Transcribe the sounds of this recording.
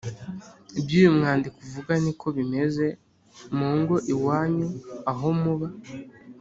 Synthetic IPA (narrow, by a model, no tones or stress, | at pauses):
ibjuːjumŋaːndikuvuɡanikʰo̞βime̞ze̞ | moːŋɡo̞ʔiwaːɲuaɦo̞muβa